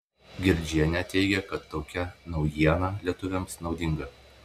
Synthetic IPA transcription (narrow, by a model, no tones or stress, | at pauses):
ɡʲɪɾʲd͡ʒʲiɛnʲɛt̪ʲɛɪɡʲɛkɐt̪ːoːkʲɛnɒʊjiɛnɑlʲiɛt̪ʊʋʲɛmsnɒʊd̪ʲɪŋɡɐ